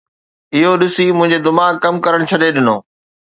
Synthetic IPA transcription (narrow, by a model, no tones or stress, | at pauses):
ɪɦoɗɪsimʊ̃ɦɪ̃ɲd͡ʑed̪ɪmaːkkːɐmkɐɾəɽ̃t͡ɕʰɐɗeɗɪnoː